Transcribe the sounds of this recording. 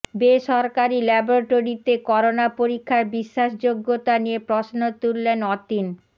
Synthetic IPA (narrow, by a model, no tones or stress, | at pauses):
beʃɔɾkaɾilɛboɾaʈoɾit̪ekɔɾonapoɾikʰːaɾbiʃːaʃ̬d͡ʑoɡːot̪aniepɾosnot̪uɾlenɔt̪in